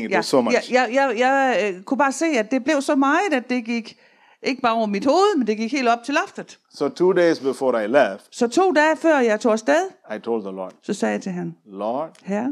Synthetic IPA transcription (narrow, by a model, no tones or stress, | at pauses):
ŋsomjaɪjɑɪjɑ̈ɪkʰub̥ɑ̈ːse̝̰ːæd̥e̝b̥le̝ʊsɒ̽mɑ̈ːɪð̩ˠæd̥ːe̝ɡ̥iɡ̥ | ʔe̝ɡ̥əb̥ɑ̈ːɒʊɐmid̥ho̝ːð̩ˠmend̥e̝ɡ̥iɡ̥he̝̰ld̥ɒ̽b̥̚t͡sʰe̝lɒfd̥ð̩ˠ | sotʰuːdesbifɔːɾaɪlɛftsɒ̽t͡sʰo̝̰ːdɛːfɶɐ̰jɑ̈ɪt͡sʰo̰ːsd̥eð̞ˠaɪtʰoʊld̚ðəlɔ̰d̥sɒ̽sɛːjäɪt͡sʰe̝ɦænlɔd̥hæɐ